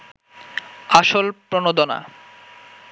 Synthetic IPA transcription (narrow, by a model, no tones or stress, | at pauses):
aʃolpɾonod̪ona̰